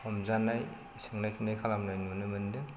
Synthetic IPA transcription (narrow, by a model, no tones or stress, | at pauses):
ɔmzanːaj | sɯŋnajkʰinajkʰalamnajnmɯnɯmɯndɯ